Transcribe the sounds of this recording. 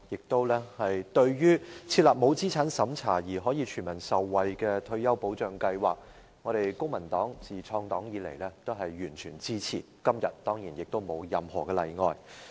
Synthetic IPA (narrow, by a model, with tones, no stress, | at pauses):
jɪ˨k̚t̪o˥wlɛː˥hɐ˨jt̪ɵ˧ɥjyː˥t͡sʰi˧t̚laː˨p̚mo˨˧wt͡siː˥t͡sʰaː˨˥nsɐ˨˥mt͡sʰaː˨˩jiː˨˩ɦɔː˨˥jiː˨˧t͡ʃʰyː˨˩mɐ˨˩nsɐ˨wːɐ˨jkɛː˧t̪ʰɵ˧ɥjɐ˥wpo˨˥wt͡ʃœː˨˧ŋkɐ˧jwaː˨k̚ | ŋɔː˨˧ɾe˨jkʊ˥ŋmɐ˨˩nt̪ɔː˨˥ŋt͡siː˨t͡ʃʰɔː˧ŋt̪ɔː˨˥ŋjiː˨˧lḛ˨˩jlɛː˥t̪o˥wɦɐ˨jːyː˨˩nt͡ʃʰyː˨˩nt͡siː˥t͡sʰḭ˨˩kɐ˥mjɐ̰˨t̚t̪ɔː˥ŋjiː˨˩njɪ˨k̚t̪o˥wmo˨˧wjɐ˨mhɔ̰ː˨˩kɛː˧lɐ̰˨jŋɔː˨˧j